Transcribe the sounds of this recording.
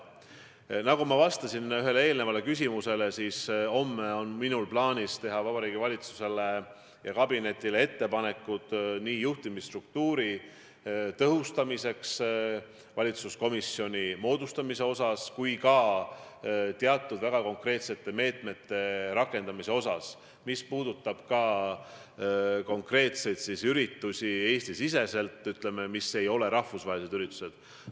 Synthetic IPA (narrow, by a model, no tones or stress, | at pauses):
nɑɡumɑvɑst̪ɑsinyɦe̞lee̞ːlnevɑle̞kys̬ʲimuse̞le̞siːso̞mːeo̞nminulplɑːnʲist̪e̞ɦɑvɑbɑɾiːɡ̥ivɑlʲit̪su̥se̞le | jɑkɑbine̞t̪ʲːˑile̞e̞t̪ːe̞pɑne̞kːˑud̪̥niːjuht̪imist̪rukt̪uːɾi | t̪ɤɦust̪ɑmise̞ks | vɑlʲit̪susko̞misːjo̞nʲimo̞ːd̪ust̪ɑmise̞o̞sɑskujkɑ | t̪eɑt̪ːˑud̪væɡ̥ɑko̞ŋkre̞ːt̪se̞t̪ːˑe̞me̞ːt̪me̞t̪ːe̞ɾɑkːˑe̞nd̪̥ɑmise̞o̞sɑs | mispuːd̪̥ut̪ːˑɑb̥kɑ | ko̞ŋkre̞ːt̪se̞jd̪sisyɾit̪ːusʲie̞ːst̪isise̞se̞lt̪ːˑyt̪le̞me̞mise̞jo̞le̞ɾɑhfusvɑːelise̥yɾit̪ːˑu̥se̞d̪̥